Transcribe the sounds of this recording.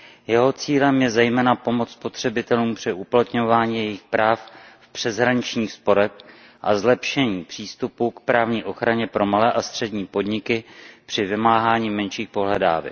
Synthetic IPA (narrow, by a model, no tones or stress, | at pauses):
jɛɦo̞t͡siːlɛmjɛzɛjmɛːnapo̞mo̞t͡sspo̞t̪r̝̥ɛbɪt̪ɛluːmpr̥ɪʔuplat̪ɲo̞vaːɲiːjɛjɪxpɾaːffpr̥ɛzɦɾaɲɪt͡ʃɲiːxspo̞ɾɛx | ʔazlɛpʃɛɲiːpr̥iːst̪upukpɾaːvɲiːʔo̞xɾaɲɛpɾo̞malɛːʔast̪r̥ɛdɲiːpo̞dɲɪkɪpr̝̥ɪvɪmaːɦaːɲiːmɛnʃiːxpo̞ɦlɛda̰ːvɛ̰